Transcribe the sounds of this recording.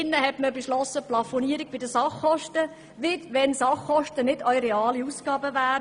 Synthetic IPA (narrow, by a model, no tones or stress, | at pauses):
ɪnːəɦɛtməbeʃlɔsːəplɑfoniəɾiɡ̚b̥ɪdəsɑχːɔʃtə | ʋɪdʋɛnsɑχːɔʃtənɪd̥œjɾɛɑːliusɡ̥ɑːbəʋæː